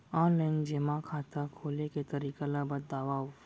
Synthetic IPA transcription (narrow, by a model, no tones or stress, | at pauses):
ɔːnlaɪnd͡ʒeːmakʰaːt̪akʰoːleket̪ɐɾiːkalabəd̪aːʋaʊ